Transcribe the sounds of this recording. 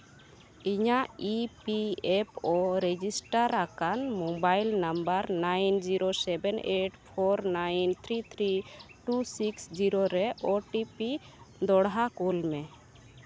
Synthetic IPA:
iɲaʔipiepɔɾɛd͡ʒisʈaɾakanmobajlnambəɾnajnd͡ʒiɾosɛbɛneʈpʰɔɾnajnt̪ʰɾit̪ʰɾiʈusiksd͡ʒiɾoɾɛʔɔʈipi | d̪ɔɽɦakulmɛ

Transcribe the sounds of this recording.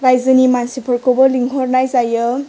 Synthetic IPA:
ɾajzɯnimansipʰɔɾkobɔliŋɦʰɔɾnajzajɯ

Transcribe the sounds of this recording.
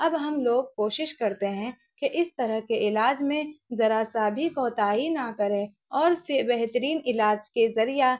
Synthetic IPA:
ɐbɦɐmloːɡ̚koːʃɪʃkɐɾt̪eɦɛ̃ | keʔɪst̪ɐɾəɦkeɪlaːd͡ʒmẽzɐɾasaːbʱikɔːt̪aːinɐkɐɾẽ | ɔːɾfɪbɛɦt̪əɾiːnɪlaːd͡ʒkezɐɾija

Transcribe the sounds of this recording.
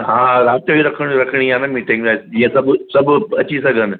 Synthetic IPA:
ɦãɾat̪ɾəiɾəkʰəɳɾəkʰəɳijanamiʈĩŋɡzajsjesəbsəbət͡ɕiːsəɡən

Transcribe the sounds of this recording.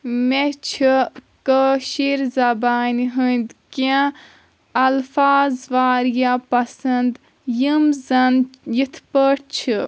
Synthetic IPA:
met͡ʃʰi | kəʃiɾzɐbaːniɦund̪kã | ɐlfaːzʋaːɾjapɐsɐnd̪ | jimzɐnjit̪ʰpəʈt͡ʃʰɨ

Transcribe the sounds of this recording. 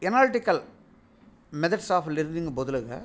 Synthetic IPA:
ɛnaːlʈːɪkːɐl | mɛðɐɖsaːflɪɾɯniŋɡɐbɔðɯlɯɣɐ̰

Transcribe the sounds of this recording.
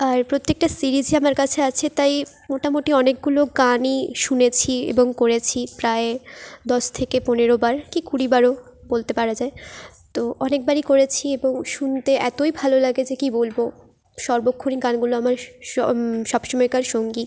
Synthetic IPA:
aɾpɾot̪ːek̚ʈasiɾid͡ʑiamaɾkat͡ɕʰeat͡ɕʰet̪aj | moʈamoʈiɔnek̚ɡuloɡaniʃunet͡ɕʰiḛboŋkoɾet͡ɕʰipɾaed̪ɔʃt̪ʰekeponeɾobaɾkikuɽibaɾo | bolt̪epaɾad͡ʑae | t̪oɔnek̚baɾikoɾet͡ɕʰieboŋʃunt̪eʔɛt̪ojbʱalolaɡed͡ʑekibolbo | ʃɔɾbokʰːuniɡanɡuloamaɾ | ʃɔbʃomɔekaɾʃoŋɡi

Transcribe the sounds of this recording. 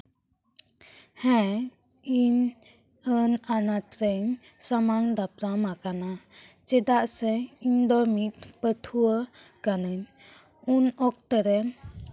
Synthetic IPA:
hɛ̃ | in | ənanaʈɾeɲ | samaŋd̪apɾamakana | t͡ʃɛd̪aʔsɛind̪ɔmit̪̚pət̪ʰuə | ɡanɯn | unɔk̚t̪əɾɛ

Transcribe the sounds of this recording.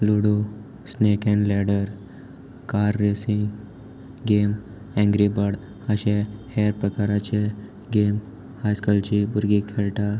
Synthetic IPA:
luɽu | snekɛ̃ɳɖlɛɽəɾ | kaɾːesiŋ | ɡem | ɛ̃ŋɡɾibaɽ | əɕẽheɾpɾəkaɾat͡ɕe | ɡem | hajskəlt͡ɕibuɾɡikʰelʈa

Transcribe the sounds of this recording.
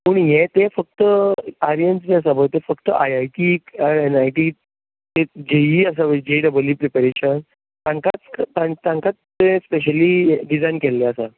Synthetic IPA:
puːɳjet̪efək̚t̪əaɾijənsd͡ʑeas̬abəjt̪efəkt̪ə̰ʔajajʈiːaenajʈiː | t̪ed͡ʑejiːəs̬aʋəd͡ʑeɖəbəljuːpɾepeɾeɕən | t̪ãŋkat͡st̪ãt̪ãŋkat͡s̪ːẽspeɕ̬əliɖid͡zajnkɛlːeasa

